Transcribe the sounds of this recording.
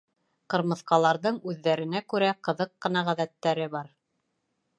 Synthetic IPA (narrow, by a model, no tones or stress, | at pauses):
qɤ̆ɾmɤ̆θqɑlˠɑɾðɤɴʉðːæɾɘ̆nækʉɾæqɤ̆ðɤqːɤ̆nɑʁæðæt̪ːæɾɘβɑɾ